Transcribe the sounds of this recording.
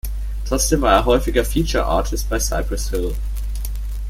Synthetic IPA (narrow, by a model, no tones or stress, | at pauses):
tʁ̥ɔt͡sd̥eːmvaːɐeːɐɦɔʏfɪɡɐfiːt͡ʃɐ̰ʔa̰ːtʰɪst̚b̥aɪsa̰ɪpʁ̥əshɪl